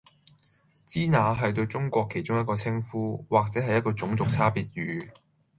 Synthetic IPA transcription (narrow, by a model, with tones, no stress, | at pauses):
t͡siː˥naː˨˧ɦɐ˨jt̪̬ɵ˧ɥt͡sʊ˥ŋkʷɔː˧kʰe˨˩jt͡ʃʊ˥ŋjɐt̚kɔː˧t͡sʰɪ˥ŋfuː˥waː˨k̚t͡sɛː˨˥ɦɐ˨jːɐ˥t̚kɔː˧t͡sʊ˨˧˥ŋt͡sʊ˨k̚t͡sʰaː˥piː˨t̚jyː˨˥